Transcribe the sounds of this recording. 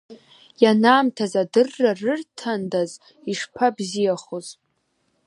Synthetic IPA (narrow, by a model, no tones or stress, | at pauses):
janaːmtʰazadɨrːarɨrtʰandaz | iʂpʰabzijaχoz